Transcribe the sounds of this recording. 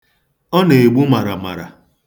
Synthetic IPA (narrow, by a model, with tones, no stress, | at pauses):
ɔ˦ne˨e˨ɡ͡bu˦ma˨ɾa˨ma̰˨ɾa̰˨